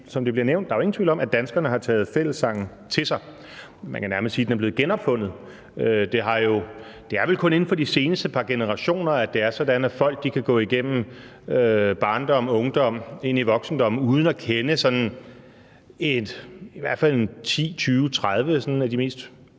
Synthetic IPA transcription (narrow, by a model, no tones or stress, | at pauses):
sɒ̽md̥eb̥liɐneʊnd̥ɑ̈joe̝ŋːnt͡sʰʋḭlɒ̽mæd̥ænsɡ̥ɐnəɦɑ̈t͡sʰɛ̰ːð̞̩ˠfel̰əsːɑ̈ŋ̰n̩ | t͡sʰe̝sɑ̈ɪ | mænkænæɐməssiːd̥enɐb̥l̝ð̩ˠɡ̥enɒ̽b̥fɔ̽n̰ð̩ˠ | ød̥e̝ɦɑ̈jo̝ | d̥e̝æɐʋe̝lkʰɔ̽ne̝n̩fɒ̽d̥ise̝ːnəsd̥əpʰɑ̈ɡ̥e̝nəʁɑ̈ɕo̝̰ːnɐæd̥eæɐsɒ̽d̥ænæfɒ̽l̰ɡ̥̚d̥ikʰæɡ̥ɔ̰̽ːiɡ̥em̰m̩ | øb̥ɑ̈ːnd̥ɒ̽m̰ɔ̽ŋd̥ɒ̽m̰e̝niʋɒ̽ɡ̥sn̩d̥ɒ̽m̰̩uːð̞ˠn̩ɒkʰenəsɒ̽n | e̝d̥iʋæɐ̰d̥fæl̰e̝nt͡sʰḭːt͡sʰyːʊt͡sʰʁað̞ˠʋəsɒ̽næd̥ime̝̰ːsd̥